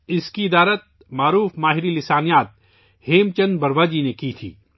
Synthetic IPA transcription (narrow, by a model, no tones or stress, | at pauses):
ɪskiɪd̪aːɾət̪̚ | maːɾuːfmaːɦɪɾilɪsaːnijaːt̪̚ | heːmt͡ʃənbɐɾʋaːd͡ʒinekit̪ʰḭː